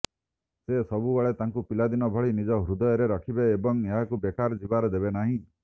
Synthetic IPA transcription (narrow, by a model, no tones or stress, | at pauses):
sesɔbubaɭet̪aŋkupilad̪inɔbʱɔɭinid͡ʒɔɦɾud̪ɔjɔɾeɾɔkʰibeːbɔŋeɦakubekaɾd͡ʒibaɾɔd̪ebenaɦĩ